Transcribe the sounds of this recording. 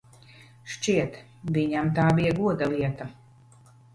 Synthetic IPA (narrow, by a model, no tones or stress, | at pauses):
ʃt͡ʃiɛt̪ | viɲamt̪aːbijaɡuɔd̪aliɛt̪a